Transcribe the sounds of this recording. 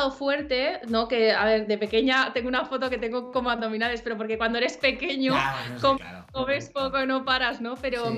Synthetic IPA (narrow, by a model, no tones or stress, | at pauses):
ofwe̞ɾt̪e̞no̞ke̞aβeɾðe̞pe̞ke̞ɲat̪e̞ŋɡounafo̞t̪o̞ke̞t̪e̞ŋɡoko̞moaððo̞mĩnaðe̞spe̞ɾo̞p̬o̞ɾke̞kwanoeɾe̞spe̞ke̞ɲokom | komespokoino̞paɾazno̞pe̞ɾo